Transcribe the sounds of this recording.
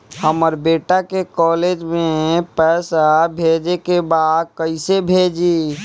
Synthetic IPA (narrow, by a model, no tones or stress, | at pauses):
həməɾbeːʈakekɔːleːd͡ʒmẽpɛːsabʱeːd͡ʒekebaːd̪̚kəɪsebʱeːd͡ʒiː